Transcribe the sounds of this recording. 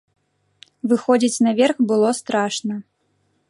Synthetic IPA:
vɨxɔd͡zʲit͡sʲnɐvʲɛrxbɨlˠɔst̪ɾaʂnɐ

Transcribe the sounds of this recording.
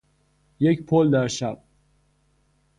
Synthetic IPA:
jecpʰold̪æɾʃæb̥̚

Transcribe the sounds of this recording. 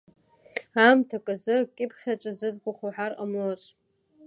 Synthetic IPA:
amtʰakʼɨzɨkʲʼɪpʰχʲat͡ʃʷʼazɨzɡʷʊχuħara̰mloɕʷʼ

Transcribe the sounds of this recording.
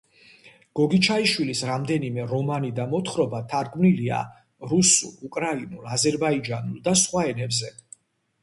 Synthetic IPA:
ɡ̥ɔɡit͡ʃʰaiʃwilisɾamd̪ɛnimɛɾɔmanid̪amɔt̪ʰχɾɔbat̪ʰaɾɡmnilia̰ | ɾusṵlˠukʼɾainulazɛɾbaid͡ʒanulˠd̪asχwaɛnɛbzɛ

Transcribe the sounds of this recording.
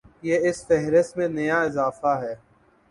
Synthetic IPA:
jeːɪsfɛɦɾɪsmẽnɐjaɪzaːfaɦɛː

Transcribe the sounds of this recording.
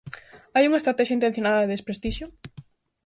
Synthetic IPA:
ajuŋaest̪ɾat̪ɛʃjaint̪ẽnθjonaðɐðeðespɾest̪iʃjo

